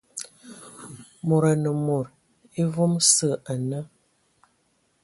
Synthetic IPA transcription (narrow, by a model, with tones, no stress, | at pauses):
mo˨ɾa˨nə˨mo˨ɾ | e˦vo˦msə˦˨a˨nə˦